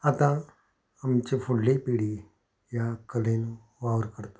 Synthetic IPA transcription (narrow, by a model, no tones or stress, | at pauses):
ət̪ã | əmt͡ʃepʰʊɽlipiːɽi | jakəlenũ | ʋaːəɾkəɾt̪o̥